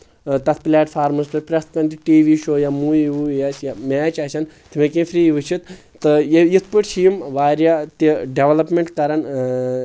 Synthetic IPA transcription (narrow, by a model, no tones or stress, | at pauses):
t̪ɐt̪ʰplɛːʈfʰaːɾmɐspɐpɾʲɐst̪kɐnt̪iʈiːʋiʃoːjamuiujat͡ʃjamʲɛːt͡ʃasʰɐn | t̪ʰimekĩfɾiːjʋɨt͡ʃʰit̪ | t̪ːɨjejit̪ʰpɨʈt͡ʃʰiːmʋaːɾʲjat̪iɖeʋɐlɐpmʲeɳʈkɐɾɐn